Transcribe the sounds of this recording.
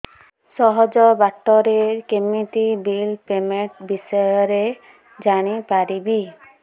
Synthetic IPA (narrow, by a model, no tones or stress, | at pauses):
sɔɦɔd͡ʒɔbaʈːɔɾeɾkemiʈibilpemeɳʈbisɔjɔɾe | d͡ʒaɽ̃ipaɾibi